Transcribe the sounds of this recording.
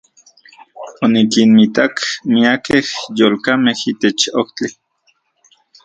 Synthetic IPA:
onikinmit̪akmiakehjoːlkamehit̪et͡ʃokt͡ɬi

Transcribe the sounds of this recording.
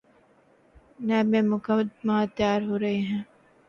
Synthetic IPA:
nɛ̃ːbẽːmʊkɐd̪maːt̪jaːɾɦoːɾɐɦeɦɛ̃ː

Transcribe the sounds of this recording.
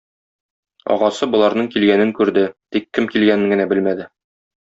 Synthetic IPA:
ɒ̰ʁɑsɤbŏlˠɑɾnɤɴkilɡænɘŋkʉɾd̪ɘt̪ikːɘmkilɡænɘŋɡɘ̆næbɘlmæd̪ɘ

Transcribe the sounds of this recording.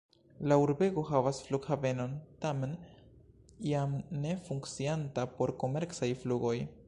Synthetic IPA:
lauɾbe̞ɡo̞ɦavasfluɡhave̞no̞ntame̞n | iamne̞fuŋkt͡siantapo̞ɾko̞me̞ɾkt͡sajfluɡo̞j

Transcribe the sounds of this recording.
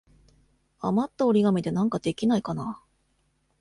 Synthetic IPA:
amat̪ːaoɾʲiɡamʲid̪e̞nãŋkad̪̥e̞kʲinaikana

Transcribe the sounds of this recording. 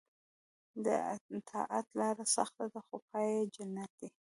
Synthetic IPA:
d̪ə̰t̪ʰɑ̰ʔat̪lɑɾasa̰xt̪ad̪əxopʰɑjed͡ʒanat̪̚d̪e

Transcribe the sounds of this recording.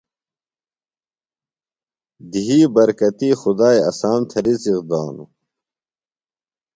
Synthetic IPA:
d̪iɦiːbɐɾkɐt̪iːxud̪aːjɐ̰saːmt̪ʰɐɾit͡siqd̪aːnṵ

